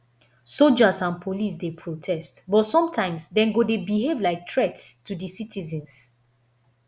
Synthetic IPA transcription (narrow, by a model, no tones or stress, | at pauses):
solˠd͡ʒazãnpʰolis̬depʰɹotʰɛstbɔtsɔ̃mtʰãɪ̃msdɛ̃nɡodebiɦevlaɪk̚tʰɹɛtstːudisitʰizɛ̃ns